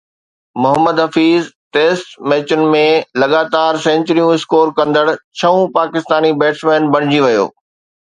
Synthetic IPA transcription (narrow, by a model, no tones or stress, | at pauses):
mʊɦəmːəd̪ɦɐfiːz | ʈeːsʈmɛːt͡ɕʊnɪ̆mẽlɐɠaːt̪aːɾsɛ̃ːɲt͡ɕɾijũɪskoːɾkɐ̃nd̪əɽt͡ɕʰɐũpaːkɪst̪aːnibɛːʈsmẽːnbɐɽ̃ɪd͡ʑiʋɐjo̰ː